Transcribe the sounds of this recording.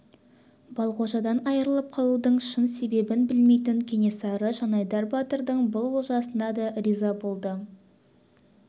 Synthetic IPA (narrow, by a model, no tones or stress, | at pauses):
b̥ɑlˠqoʒɑd̪ɑnɑjəɾəlˠəp̚qʰɑlˠud̪əɴʃənse̞be̞bɪnbɪlme̞jt̪ɪŋkʲʰe̞nʲe̞sɑɾəʒɑnɑjd̪ɑɾbɑt̪əɾd̪əɴbʊlˠwolˠʒɑsənɑd̪ɑɾizɑbo̞lˠd̪ə